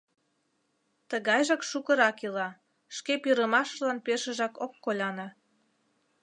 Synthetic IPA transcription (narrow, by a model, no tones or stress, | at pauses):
t̪əɣɑjʒɑkʃukəɾɑkilɑ | ʃkepiɾəmɑʃlɑnpeʃəʒɑkokːolʲɑnɑ